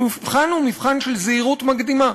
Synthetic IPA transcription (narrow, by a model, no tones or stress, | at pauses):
mifχanumifχanʃelzeiʁutmaɡd̪ima